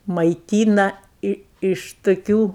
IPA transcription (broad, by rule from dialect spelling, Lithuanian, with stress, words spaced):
mɐɪˈtʲiːnɐ ˈɪ ɪʃ tʊˈkʲuː